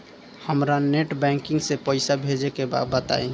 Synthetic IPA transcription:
həmɾaneʈbɛ̃ŋkiŋɡsepəɪsabʱed͡ʒekeba̰bət̪a̰e

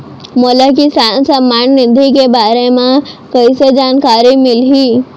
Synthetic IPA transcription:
moːlakisaːnsɐmːaːnnɪd̪ʱikebaːɾemãkɐised͡ʒaːnkaːɾimɪlɦiː

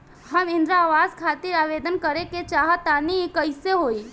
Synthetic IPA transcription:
ɦəmɪnd̪ɾaːʋaːzkʰaːt̪iɾaːʋed̪ənkəɾeket͡ʃaɦat̪aniekəɪseɦoi

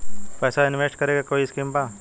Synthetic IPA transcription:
pɛːsaɪnʋeːsʈkəɾeːɡakoːiɪskiːmpãː

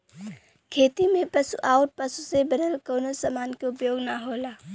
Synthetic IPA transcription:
kʰeːt̪imẽpəsuʔaːʊʈ̚pəsusebəd̪əlkoːnosamaːnkeʊpjoːɡnaɦoːla

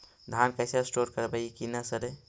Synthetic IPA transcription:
d̪ʱankəɪsesʈoɾkəɾbəjkinəsəɾe

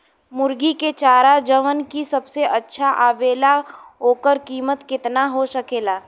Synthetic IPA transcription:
mʊɾɡiket͡ʃaːɾad͡ʒəʋənkisɐbseʔɐtːʃʰaʔaːʋeːlaɦoːkəɾkiːmət̪kɪt̪naɦosɐkeːlaː

